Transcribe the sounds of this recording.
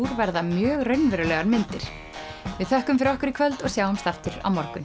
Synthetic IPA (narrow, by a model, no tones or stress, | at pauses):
uɾvɛɾðamjœːɣrœɥnvɛːɾʏlɛːɣaɾmɪnt̪ɪɾ̥ | vɪðθœhkʏmfɪɾɔhkʏɾɪkʰvœlt̪ɔɣsjaːwhʏmst̪aft̪ʏɾ̥a̰wmɔɾkʏn